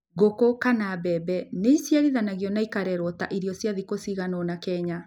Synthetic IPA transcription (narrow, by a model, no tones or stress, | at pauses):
ɣokokanabɛbɛneisjaɾiðanaɣiɔnaikaɾɛɾɔta̰ʔiɾjɔsjaðikosiɣanɔnakɛɲa